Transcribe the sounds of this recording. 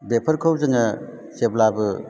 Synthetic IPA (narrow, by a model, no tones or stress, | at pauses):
bepʰɐɾkʰɯwzɯŋɐ | seblabɯ